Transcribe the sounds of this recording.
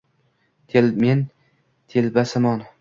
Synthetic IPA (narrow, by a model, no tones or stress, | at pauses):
t̪ʰelmen | t̪ʰelbasɪmɒn